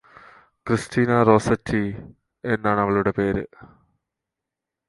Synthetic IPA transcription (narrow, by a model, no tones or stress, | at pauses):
kristʰiːnɐro̞ːsɐtʰːi | e̞nːaːɳɨɐʋɐɭuɽe̞pe̞ːɾɨ̰